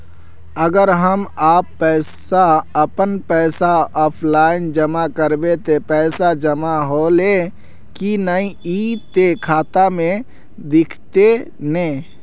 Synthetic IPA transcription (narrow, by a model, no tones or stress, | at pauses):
əɡəɾɦəmaːpːɛɪsaəpənpɛɪsaɔːpʰlaːɪnd͡ʒəmakəɾbet̪epɛɪsad͡ʒəmaɦole | kinəĩit̪ekʰaːt̪amẽ | d̪ɪkʰt̪e | nɛ̃ː